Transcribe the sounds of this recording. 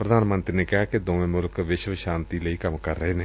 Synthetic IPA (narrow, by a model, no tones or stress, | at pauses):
pɾəd̪aːnmənt̪ɾineːkɪɦaːkɪd̪oːʋẽːmʊlkʋɪʃʋʃaːnt̪iːləiːkəmkəɾːəɦeːnẽː